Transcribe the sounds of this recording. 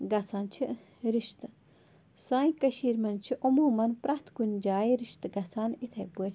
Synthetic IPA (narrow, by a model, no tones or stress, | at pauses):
ɡɐsaːnt͡ʃʰi | ɾiʃt̪ | saːikɐʃiːɾmɐnt͡ʃʰiʔumuːmɐnpɾɐht̪ʰkunʲd͡ʒaːiɾiʃt̪ɡɐsaːnit̪ʰɐbue